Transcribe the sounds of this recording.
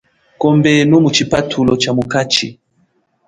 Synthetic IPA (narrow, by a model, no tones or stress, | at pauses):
kɔmbɛnumut͡ʃipatʰulɔt͡ʃamukat͡ʃḭ